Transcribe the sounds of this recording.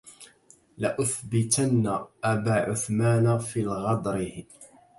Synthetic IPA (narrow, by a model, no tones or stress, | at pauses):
laʔʊθbɪt̪anːaʔabaːʕʊθmaːnafiːlɣɑd̪ˤɾɪ